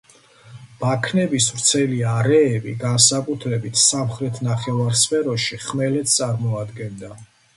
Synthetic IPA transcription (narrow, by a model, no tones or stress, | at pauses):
b̥akʰnɛbisvɾt̪sʰɛliaɾɛːbḭɡansakʼut̪ʰɾɛbit̪ʰsamχɾɛt̪ʰnaχɛvaɾspʰɛɾɔʃiχmɛlɛt̪ʰt̪sʼaɾmɔad̪ɡɛnd̪a